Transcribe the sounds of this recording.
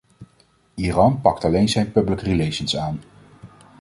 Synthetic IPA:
iːrɑnpɑktɑlejnzɛjnpɵbləkrilejʃənsaːn

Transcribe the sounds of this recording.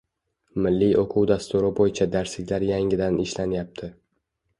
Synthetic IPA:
mɪlːijʔoqʰuwd̪ast̪ʊɾɪbojɪt͡ʃʰad̪aɾslɪkʲlaɾjaŋɪd̪anɪʃlanjap̚t̪ʰɪ

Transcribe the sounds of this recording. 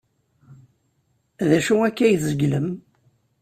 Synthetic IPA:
ðæʃuækːæjθzəɡləm

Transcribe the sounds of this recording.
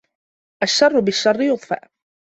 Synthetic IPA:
ʔaʃːɑrˤːʊbɪʃːɑrˤːɪjʊðˤfa̰ʔ

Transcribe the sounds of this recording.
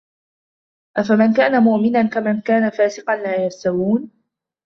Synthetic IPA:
ʔafamankaːnamʊʔmɪnankamankaːnafaːsɪqɑnlaːjast̪awuːn

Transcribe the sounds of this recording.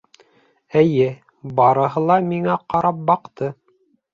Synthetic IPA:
ɘjɘ | bɑɾɤ̆ɦɤ̆lˠɑmiŋæqɑɾɑp̚bɑqt̪ɤ

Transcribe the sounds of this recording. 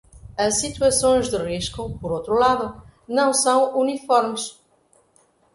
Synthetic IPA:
ɐʃːit̪uɐsõj̃ʒd̪ɨʁiʃkʊpɔɾowt̪ɾulaðʊnɐ̃w̃sɐ̃w̃unifɔɾmɨʃ

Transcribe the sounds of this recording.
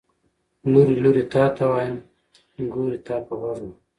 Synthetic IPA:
luɾiluɾit̪ɑːt̪awaːjam | ɡuːɾit̪ɑːpaɣaɾu

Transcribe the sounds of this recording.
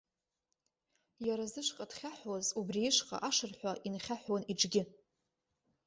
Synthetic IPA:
jaɾazɨʂʷqʼadχʲaħwazubriɪʂqʼa̰ʔaʂɨrħʷaʔinχʲaħwaniʈ͡ʂʼɡʲɪ

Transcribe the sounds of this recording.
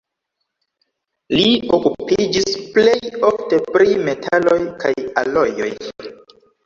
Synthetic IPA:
liokupid͡ʒisple̞jo̞fte̞pɾime̞tʰalo̞jkajalo̞jo̞̰j

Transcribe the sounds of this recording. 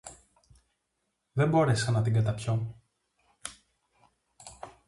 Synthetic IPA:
ðe̞mbo̞ɾe̞sɐnɐt̪iɡɐt̪ɐpço

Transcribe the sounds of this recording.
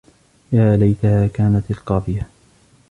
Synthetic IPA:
jaːlajt̪ahaːkaːnat̪alqɑːðˤɨja

